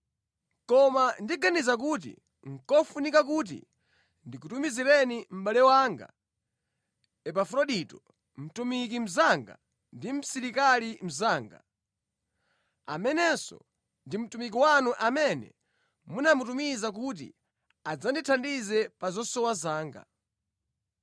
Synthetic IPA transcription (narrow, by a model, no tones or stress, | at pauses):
kɔmandiɡanizak̬ut̬ḭ | ŋ̩kɔfunikak̬ut̬ḭ | ndikutumizilɛnim̩ɓalɛwaːŋɡa̰ | ɛpafɾɔɗitɔ | m̩tumik̬im̩zaŋɡa̰ | ndim̩siɾikalim̩zaːŋɡa̰ | a̰mɛnɛsɔ̰ | ndim̩tumik̬iwanuʔamɛnɛ̰ | munamutumizak̬ut̬ḭ | ad͡zanditʰandizɛpazɔsɔwazaːŋɡa̰